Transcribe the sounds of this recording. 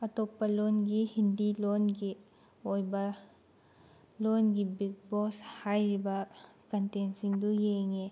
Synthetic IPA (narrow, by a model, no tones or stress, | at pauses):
ɐtopːɐlonɡihindilonɡi | ojba | lonɡibik̚bɔshajɾibɐkɐntensiŋdujeŋe